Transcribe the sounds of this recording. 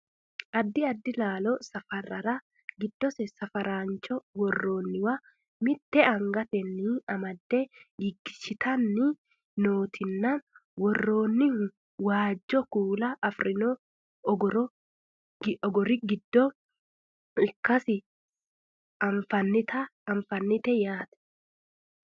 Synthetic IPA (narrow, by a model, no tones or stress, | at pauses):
ʔɐd̪ːɪɐd̪ːɪlaːlɔsɐfɐɾɐɾɐ | ɡɪd̪̥ːɔsɛsɐfɐɾaːnt͡ʃɔwɔrːo̞ːnːɪwɐ | mɪt̪ːɛɐŋɡɐt̪ɛnːɪɐmɐd̪ːɛɡɪɡːɪ̥ʃɪt̪ɐnːɪ | noːt̪ʰɪnːanwɔrːo̞ːnːɪhʊ | waːd͡ʒːɔkuːlɐʔɐfɾɪno | ɡɾ | ɔɡɔɾɪɡɪd̪ːɔ | ɪkːɐsɪ | ɐɱfɐnːɪt̪ɐɐɱfɐnːɪt̪ɛjaːt̪ɛ̥